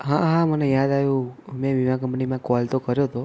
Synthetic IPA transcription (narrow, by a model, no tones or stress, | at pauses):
ɦãɦãmənejad̪aʋjũmẽʋiʋãk̬ə̃mpnimãkɔlt̪okəɾjot̪ʰo